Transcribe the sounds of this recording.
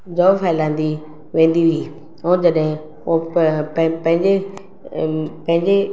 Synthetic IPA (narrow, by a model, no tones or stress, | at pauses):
d͡ʒɔːfʰaːɪlãːnd̪i | ʋẽːnd̪iʋiː | od͡ʒəɗɦɪ̃ | õ | pə̃ɦɪ̃ɲd͡ʑe | pɐ̃ɦɪ̃ɲd͡ʑe